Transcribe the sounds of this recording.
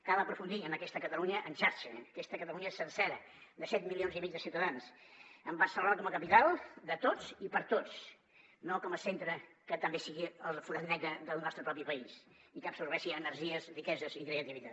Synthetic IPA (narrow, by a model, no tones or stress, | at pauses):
kaβəpɾufund̪iənəkɛst̪əkət̪əluɲəʔənʃaɾʃəəkɛst̪əkət̪əluɲəesənsɛɾə | d̪əsɛt̪milionzimizðəsiuwt̪əðansəmbasəlˠβɾakɔməkəpit̪alˠd̪ət̪ot͡sipəɾt̪ot͡s | nokɔməsent̪ɾə | kət̪əmbesiɣiəlˠfuɾəðnɛɣəðəlˠnɔst̪ɾəpɾɔp̬ipəis | ikəpsuɾβɛʃiənəɾʒiəzrikɛzəzikɾeət̪iβit̪a